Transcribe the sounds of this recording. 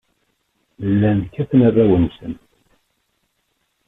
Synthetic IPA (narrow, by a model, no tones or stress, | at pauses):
lːænkːæθənærːæwənsə̰nt̪